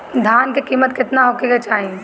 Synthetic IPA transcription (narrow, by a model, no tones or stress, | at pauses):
d̪ʱaːnkekiːmət̪kɪt̪naɦokeket͡ʃaːɦĩ